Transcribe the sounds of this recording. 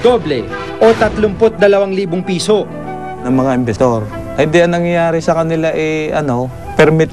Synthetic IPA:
d̪oblɛ | ʔo̞t̪ɐt̪lʊmpot̪̚d̪ɐlɐwaŋliːboŋpiːso̞ | nɐŋmɐŋaʔɪmbɛst̪oɾ | ʔɐhɪnd̪iɐŋnɐŋjjaːɾɪsɐkɐnɪlaʔɛʔɐno̞ | pɛɾmɪt̪

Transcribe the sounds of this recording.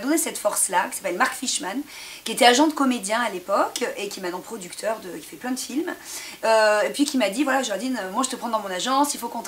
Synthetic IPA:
d̪ɔnesɛt̪fɔʁslakʲi̥sḁpɛlmaʁkfiʃmankʲiet̪ɛaʒɑ̃d̪əkɔmed̪jɛ̃alepɔkʰʔekʲiɛmɛnnːɑ̃pχɔd̪ykt̪ʰœʁd̪əkʲi̥fɛplɛ̃d̪əfilmøepɥikʲimad̪ivwalaʒəlʁd̪inømwaʒət̪əpχɑ̃d̪ɑ̃mɔ̃naʒɑ̃silfokɔ̃t̪

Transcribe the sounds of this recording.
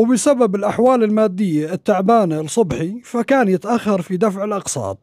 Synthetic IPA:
wbɪsababɪlʔaħwaːlɪlmaːd̪ːɪjːaɪt̪ːaʕbaːnlsˤʊbħifakaːnjɪt̪ʔaxːɑɾˤfid̪afʕɪlʔɑqsˤɑ̰ːt̪̚ˤ

